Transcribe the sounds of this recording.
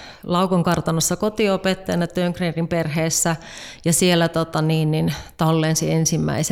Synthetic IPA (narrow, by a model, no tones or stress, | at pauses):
lɑukoŋkɑrt̪ɑnɑsːɑkot̪iopet̪ːɑjɑnɑt̪øŋkrerimperɦeːsːæ | jɑsielːæt̪ot̪ɑniːnnint̪ɑlːeːnsiensimːæ̰ise